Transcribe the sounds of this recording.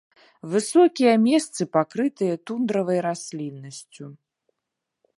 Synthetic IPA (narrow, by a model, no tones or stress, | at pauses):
vɨsɔkʲijɐmʲɛst̪sɨpakɾɨt̪ɨjɐt̪und̪ɾɐvɐjɾasʲlʲinːɐsʲt͡sʲu